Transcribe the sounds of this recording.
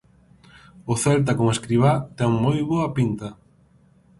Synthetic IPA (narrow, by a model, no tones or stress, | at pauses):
ʊθɛlt̪̬akomeskɾiβ̞at̪ɛŋmojβoɐpint̪ɐ